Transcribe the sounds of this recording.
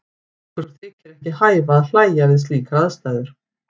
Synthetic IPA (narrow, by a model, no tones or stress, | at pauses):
kvɛɾʏɾθʰɪːcɪɾɛhcɪhaːjvaːðl̥aːjaɾɪðsliːkaɾaðst̪aːðʏɾ̥